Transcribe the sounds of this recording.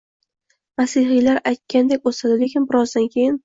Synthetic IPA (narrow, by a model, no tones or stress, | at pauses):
masɪɦijlaɾajt̪̚kʲand̪ekʲosad̪ɪlekʲɪmbɪɾɒzd̪ankʲʰe̞jɪn